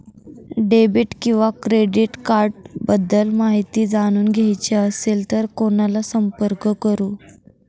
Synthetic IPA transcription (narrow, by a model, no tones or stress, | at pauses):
ɖebiːʈkĩw̃ʋakɾeɖiʈkaɾʈ̚bəd̪ːəlmaɦit̪iːd͡zaɽ̃uːnɡʱajt͡ɕeəselt̪əɾkonalasəmpəɾkəkəɾuː